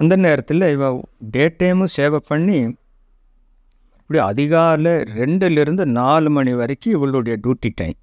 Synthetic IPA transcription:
ɪnd̪ɐneːɾɐt̪ːɪlːɐɪʋɐɖeːʈːɐɪmɯseːʋɐpːɐɳːi | ɪpːɐɽiɐ̰ðɪɣaːɾlɐɾɛɳɖɪlɪɾɯnd̪ɯnaːlɯmɐɳiʋɐɾɐkːɯɪʋɐɭɯɽɐjɐɖjuːʈːiʈːɐ̰̃ɪ̃m

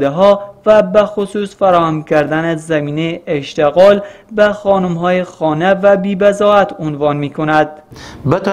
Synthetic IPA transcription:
d̪eɦɒːvæbæxosuːsfæɾɒːhæmkʲæɾd̪ænezæmiːnejeʔeʃt̪eɣɒːl | bæxɒːnumɦɒːjexɒːnevæbiːbæzɒːæt̪ʰonvɒːnmiːkʰonæd̪̥̚bet̪

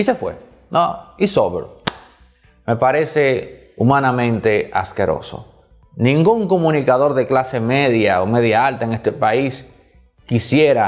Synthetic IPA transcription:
ise̞fwe̞̰ | noisoβeɾ | me̞paɾe̞se̞ | umanamẽnt̪e̞a̰skeɾo̞̰so̞̰ | nĩŋɡuŋko̞mũnikaðo̞ɾðe̞klase̞me̞ðjaome̞ðjaalt̪aeŋe̞st̪epais | kisje̞ɾa

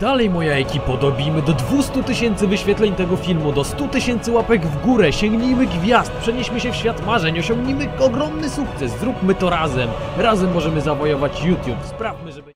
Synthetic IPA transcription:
d̪̥alɛjmɔjaɛkʲipɔd̪ɔbʲijmɘd̪ɔd̪vust̪ut̪ɘɕɛnt̪sɘvɘɕfʲjɛt̪lɛɲt̪ɛɡɔfʲilmud̪ɔst̪ut̪ɘɕɛnt̪sɘwapɛɡvɡuɾɛɕɛŋɡɲijmɘɡvʲjast̪̚pʂɛɲɛɕmɘɕɛfɕfʲjat̪maʐɛɲɔɕɔ̃ŋɡɲimɘɔɡɾɔmnɘsuk̚t̪sɛszɾupmɘt̪ɔɾazɛmɾazɛmːɔʐɛmɘzavɔjɔvat͡ɕjut̪ʲjupspɾafmɘʐɛb

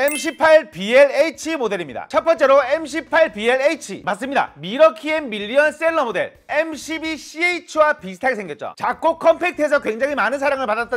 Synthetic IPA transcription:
emɕ̬ʰipʰaɭpieɭeit͡ɕʰimode̞ɾimɲida̰t͡ɕʰʌp͈ʰʌnt͡ɕ͈e̞ɾoemɕ̬ʰipʰaɭpieɭeit͡ɕʰḭmats͈ɯmɲida̰miɾʌkʰiemmiʎːiʌnsʰɯɾeɭːʌmode̞̰ɭ | emɕʰibiɕʰieit͡ɕʰuwapisʰɯ̥tʰaɡesʰeŋɡjʌt̚t͡ɕ͈o̰t͡ɕakk͈okʰʌmpʰe̞k̚tʰe̞sʰʌkweŋd͡ʑaŋɦimanɯns̬ʰaɾaŋɯɭpadat͈̚ʌ

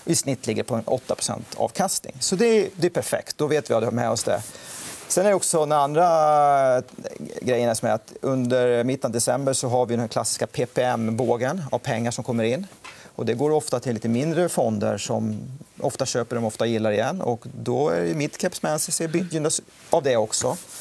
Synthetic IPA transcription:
ɪsnɪt̪ːlɪɡːəɾpʰɔɛnɔ̰t̪ːapʰɾʊ̥sɛ̰nt̪ɑ̰ːvkʰast̪nɪ̰ŋsɔd̪ɛd̪ɛːpʰæɾfɛ̰kt̪̚d̪ɔveːt̪vɪvad̪ɛhamɛ̰ːɔsd̪ɛ̰sɛnæɾɖɛɔksɔd̪ɛnand̪ɾa | ɡɾɛjːənæsɔmæɾat̪ɵnd̪əɾmɪt̪ːənd̪ɛsɛmbəɾʂɔɦaɾvɪjd̪ɛnækʰla̰sːɪ̥skapʰeːpʰeɛmboːɡəna̰vpʰɛŋːaʂɔmkʰɔmːəɾɪnːɔd̪ɛɡoːɾɔft̪at̪ʰɪlːiːt̪əmɪnd̪ɾəfɔnd̪ə̰ɾʂɔmɔft̪aɕøːpəɖɔmɔft̪ajɪlːaɾɪjɛnːɔ̰kd̪ɔæ̰ɾmɪt̪kʰɛpsmɛnsɛsɛbʏjʉnːas | avd̪ɛɔksɔ

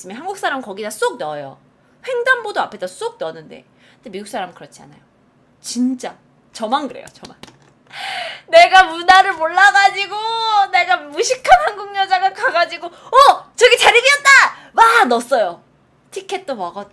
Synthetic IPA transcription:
s͈ɯmjʌnɦanɡuk̚s͈aɾamkʌɡidas͈ok̚nʌjo̰ | ɸwe̞ŋdambodoapʰe̞das͈ok̚nʌnːɯnde̞̰ | kɯntdemiɡuks͈aɾamɯkɯɾʌt͡ɕʰia̰na̰jo | t͡ɕint͡ɕ͈a | t͡ɕʌmanɡɯɾe̞̰jo̰t͡ɕʌman | ne̞ɡamunaɾɯɭmoɭːaɡad͡ʑiɡone̞ɡamuɕʰikʰanhaŋɡuŋɲʌd͡ʑaɡakaɡad͡ʑiɡoʌt͡ɕʌɡit͡ɕaɾiɡiʌt̚t͈a | wanʌs͈ʌjo | tʰikʰe̞t̚t͈omʌɡa

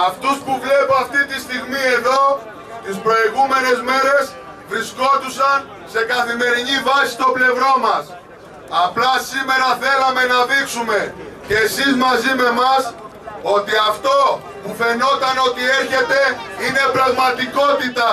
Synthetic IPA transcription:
ɐft̪uspuvle̞poɐft̪it̪ist̪iɣmie̞ðo̞ | t̪ispɾo̞iɣume̞ne̞zme̞ɾe̞s | vɾisko̞t̪usɐn | se̞kɐθime̞ɾinivɐsi̥st̪o̞ple̞vɾo̞mɐs | ɐplɐsime̞ɾɐθe̞lɐme̞nɐðiksume̞ceːsizmɐzime̞mɐs | o̞t̪iɐft̪o̞ | pufe̞no̞t̪ɐno̞t̪ie̞ɾçe̞t̪e̞ine̞pɾɐɣmɐt̪iko̞t̪it̪ɐ

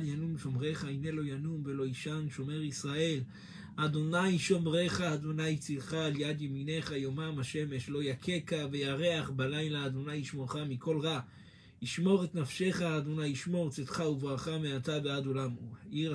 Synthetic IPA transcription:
djanumʃo̞mʁe̞χaine̞lo̞janumve̞lo̞iʃanʃo̞me̞ʁisʁae̞l | ad̪o̞najʃo̞mʁe̞χaːd̪o̞najt͡siʁχaːljad̪jemine̞χajomamaʃe̞me̞ʃlo̞jakʰe̞kavejaʁe̞aχbalajlaːd̪o̞najiʃmoʁχamiko̞lʁa | iʃmo̞ʁet̪nafʃe̞χaːd̪o̞najiʃmo̞ʁt͡setχauvʁaχameatabead̪olamuaʔiʁ

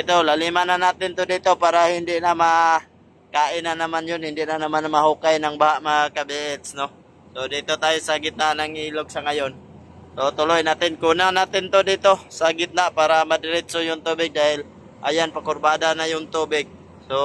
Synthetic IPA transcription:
it̪olalimananat̪ɪnt̪od̪it̪opaːɾahɪnd̪ɪʔnama | kaːʔɪnanamanjʊnhɪnd̪ɪʔnanamanmaɦukajnaŋbaɦaʔmakabeʔɛt̪sno | sod̪it̪ot̪ajisaɡɪt̪̚nanaŋiːloɡ̚saŋajon | sot̪ʊlojnat̪ɪnkunanat̪ɪnt̪od̪it̪osaɡɪt̪̚napaːɾamad̪ɪɾɪt̪sojʊŋt̪ubɪɡ̚d̪ahɪl | ʔa̰janpakʊrbad̪anajʊŋt̪ubɪɡ̚ | so

